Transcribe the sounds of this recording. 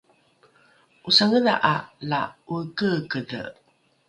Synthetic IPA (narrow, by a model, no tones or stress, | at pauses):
ʔusaŋəda̰ʔalaukəkədə̰